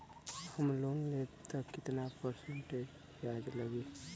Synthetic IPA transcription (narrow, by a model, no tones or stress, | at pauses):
həmloːnlet̪əkːɪt̪napəɾsə̃ɳʈed͡ʒ | jaːd̪ləɡeː